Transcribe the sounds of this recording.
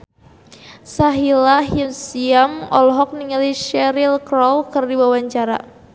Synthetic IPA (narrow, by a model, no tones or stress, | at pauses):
saɦilaɦjunsiamɔ̰lɦɔk̚niŋaliʃɛɾilkɾɔlkərdibawaɲt͡ʃaɾa̰